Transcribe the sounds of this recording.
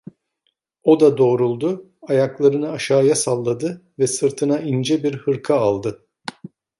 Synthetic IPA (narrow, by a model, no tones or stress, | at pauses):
o̞d̪ad̪o̞ːɾulˠd̪ʊ | ajaklˠaɾɯnɯaʃaːjasalˠːad̪ɯvɛsɯɾt̪ʰɯnaʔind͡ʒɛbiɾhɯɾkʰaːlˠd̪ɯ